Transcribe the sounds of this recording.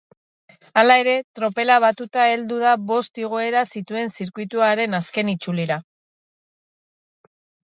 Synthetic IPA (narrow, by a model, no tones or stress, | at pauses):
alae̞ɾe̞t̪ɾo̞pe̞laβ̞at̪ut̪ae̞ld̪uð̞aβo̞st̪iɣ̞o̞e̞ɾasit̪ue̞nsiɾkujt̪uaɾe̞naske̞nit͡suliɾa